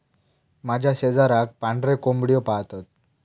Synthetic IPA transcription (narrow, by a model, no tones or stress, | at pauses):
mad͡ʑʱjased͡zaɾak̚paɳɖɾekombɽijɔpaɦt̪at̪̚